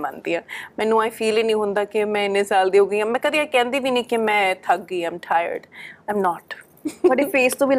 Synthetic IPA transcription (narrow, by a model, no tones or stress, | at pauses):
mand̪iːãːmɛ̃ːnːũːãːĩːpʰiːliːnĩːɦʊnd̪aːkɪmɛ̃ːɪneːsaːld̪iːɦoːɡəiːãːmɛ̃ːkəd̪iːaːkɛ̃ːnd̪iːʋiːnĩːkɪmɛ̃ːt̪ʰak̚ɡəiːãɪmʈʰaːjə̰ɾɖaɪmnɔːʈ | bəɖeːpʰeːst̪õːʋiːl